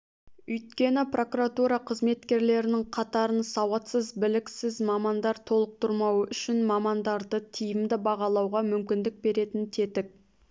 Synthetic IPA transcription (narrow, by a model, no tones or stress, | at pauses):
ɵjt̪kʲe̞nɪpro̞kuɾat̪uɾɑqʰəzme̞t̪kʲe̞ɾle̞ɾɪnɪŋqʰɑt̪ɑɾənsɑwɑt̪səzbɪlɪksɪzmɑmɑnd̪ɑɾt̪ʰo̞lˠəq̚t̪ʰʊɾmɑwəʔʏʃɪnmɑmɑnd̪ɑɾd̪ət̪ʰijɪmd̪ɪbɑʁɑlˠɑwʁɑmʏmkʲɪnd̪ɪk̚be̞ɾe̞t̪ɪnt̪ʰe̞t̪ɪk̚